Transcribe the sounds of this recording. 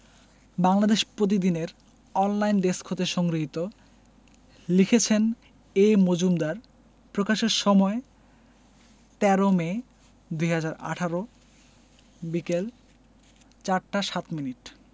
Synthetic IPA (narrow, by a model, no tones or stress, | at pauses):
baŋlad̪eʃpɾot̪̬id̪ineɾ | ɔnlajnɖeskʰot̪eʃɔŋɡɾiɦit̪o | likʰet͡ɕʰen | emod͡ʑumd̪aɾ | pɾokaʃeɾʃɔmɔe | t̪ɛɾome | d̪ujɦad͡ʑaɾa̰ʈʰaɾo | bikel | t͡ɕaɾʈaʃat̪miniʈ